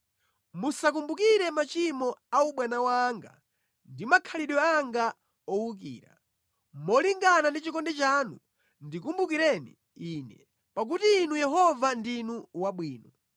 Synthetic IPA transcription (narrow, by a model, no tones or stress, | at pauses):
musak̬umbukiɾɛmat͡ʃimɔauɓwanawaŋɡa̰ | ndimakʰaliɗɔaŋɡa | ɔwuk̬ḭːɾa̰ | mɔliŋɡanandit͡ʃikɔndɛt͡ʃaːnu | ndikumbuk̬iɾɛnḭ | inɛ̰ | pak̬utiːnujɛɦɔvandinuwaɓwiːnɔ